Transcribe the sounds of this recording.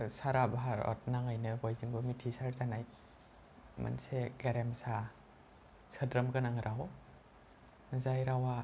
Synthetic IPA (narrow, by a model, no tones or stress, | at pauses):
saɾabaɦaɾɔ̰t̚naŋajnɯbɔjziŋbɯmitʰisaɾzanaj | ma̰nseɡeɾemsa | sʰədɾɯmɡɯnaŋɾʔawɔ | zajɾawa